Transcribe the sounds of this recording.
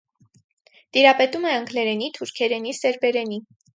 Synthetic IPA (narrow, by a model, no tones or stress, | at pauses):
t̪iɾɑpɛt̪umɛəŋkʰlɛɾɛnit̪ʰuɾkʰɛɾɛnisɛɾbɛɾɛni